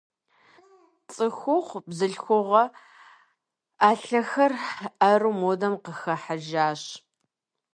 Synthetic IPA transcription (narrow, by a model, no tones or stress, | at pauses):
t͡sʼɨxʷʊχʷbzɨɬxʷʊʁɐ | aːɬɐxɐrɐrumodɐmqəxɐħaʒaːɕ